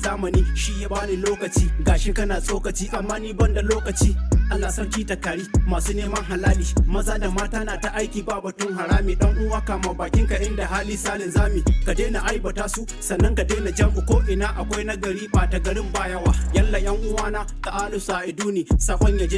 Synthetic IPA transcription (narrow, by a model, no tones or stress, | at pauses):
zaːmɐniːʃijabaːniːloːkɐt͡ʃiːɡaːʃikɐnaːsʼoːkɐt͡ʃiːʔamːaːniːbɐndaloːkɐt͡ʃiːʔanaːsɐkʲiːtɐkaːɽiːmaːsuːneːmɐŋɦalaːliːmɐzaːdamaːtaːnaːtaʔajkʲiːbaːbɐtʊŋɦaɾaːmiːɗɐŋʔʊwaːkamaːbaːkʲɪŋkaʔɪndahaːliːsaːlɪnzaːmiːkadeːnaʔajbɐtaːsu | sɐnːɐŋkadeːnad͡ʒɐmʔʊkʷoːʔɪnaːʔakʷajnɐɡɐɽiːbaːtaɡɐɽɪmbaːjɐwaːjɐlːaj̰ɐŋʔʊwaːnaːkaʔaːlʊsaːʔɪduːniːsaːkʷɔɲjad͡ʒeː